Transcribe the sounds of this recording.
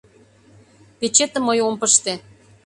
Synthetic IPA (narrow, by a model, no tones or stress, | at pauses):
pet͡ɕet̪ə̆mːəjompəʃt̪e